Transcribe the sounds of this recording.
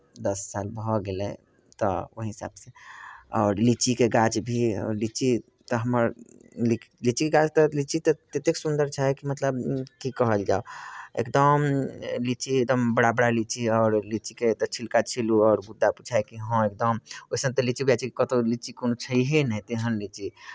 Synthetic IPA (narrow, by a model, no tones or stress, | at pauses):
d̪əsːalbʱɔɡelɛ̰ | t̪ɔ̰o̰ɦɦisa̰bseɔ̰ːɾlit͡ʃikeɡat͡ʃbʱiɔ̰ɾlit͡ʃi | t̪ɔɦəməɾli | lit͡ʃikeɡad͡ʒt̪ɔlit͡ʃit̪ɔt̪et̪eksund̪əɾt͡ʃʰaɦɛkimət̪ləbkikəɦəld͡ʒa̰oḛkd̪əmlit͡ʃiek̚d̪əmbəɽabəɽalit͡ʃiɔʊɾlit͡ʃiket̪ɔt͡ʃʰilkat͡ʃʰiluɔːɾbud̪ʱːaput͡ʃʰaekiɦə̃ek̚d̪əmoisə̃nt̪əlit͡ʃibʱjat͡ʃʰikikət̪olit͡ʃikonot͡ʃʰəiɦenɛt̪eɦənlit͡ʃi